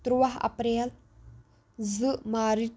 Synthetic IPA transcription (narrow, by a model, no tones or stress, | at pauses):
t̪ɾuwaɦɐ̰pɾel | zɨʔmaɾi